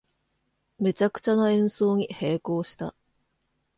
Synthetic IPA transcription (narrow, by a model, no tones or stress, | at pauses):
me̞t͡ɕakɯ̟̥t͡ɕanoẽ̞ɰ̃so̞ːɲ̟ihe̞ːko̞ːɕi̥t̪a̰